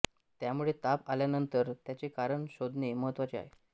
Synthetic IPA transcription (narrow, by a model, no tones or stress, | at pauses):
t̪jamuɭet̪apaljanənt̪əɾt̪jat͡ɕekaɾəɳɕod̪ʱneməɦət̪ʋat͡ɕea̰ɦe